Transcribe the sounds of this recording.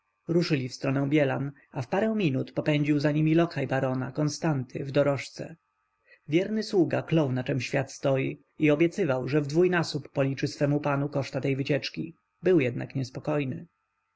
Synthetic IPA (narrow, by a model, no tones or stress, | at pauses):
ɾuʂɘlʲifst̪ɾɔnɛw̃bʲjɛla̰n | afpaɾɛw̃mʲinut̪pɔpɛɲd͡ʑiwzaɲimʲilɔkʰajbaɾɔna̰kɔnst̪ant̪ʰɘ̰vd̪ɔɾɔʂt̪sɛ̰ | vʲjɛɾnɘswuɡaklɔwnat͡ʂɛmɕfʲjat̪st̪ɔji | iɔbʲjɛt̪sɘvawʐɛvd̪vujnasupːɔlʲit͡ʂɘsfɛmupanukɔʂt̪at̪ɛjvɘt͡ɕɛt͡ʂkʲi | bɘwjɛd̪̚na̰kɲɛspɔkɔjnɘ̰